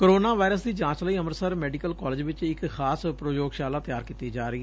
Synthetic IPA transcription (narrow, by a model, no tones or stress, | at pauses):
koɾoːnaːʋaːɪɾəsd̪iːd͡ʒãːt͡ʃləiːəməɾsəɾmɛːɖiːkəlkɔːlɪd͡ʒʋɪt͡ʃɪkxaːspɾojoːɡʃaːlaːt̪ɪjaːɾkiːt̪iːd͡ʒaːɾəiː